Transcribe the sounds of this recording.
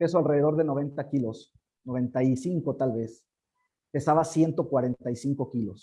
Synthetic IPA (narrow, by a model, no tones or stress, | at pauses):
pe̞soalre̞ðe̞ðo̞ɾðe̞no̞β̞e̞nt̪akilo̞s | no̞βe̞nt̪ajsiŋko̞t̪alβe̞s | pe̞saβasje̞nt̪o̞kwaɾe̞nt̪ajsiŋko̞kilo̞s